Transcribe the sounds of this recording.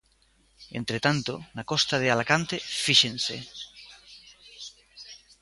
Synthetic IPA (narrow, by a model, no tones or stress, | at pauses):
ḛ̃nt̪ɾet̪ant̪onakost̪aðealakant̪efiʃẽnsḛ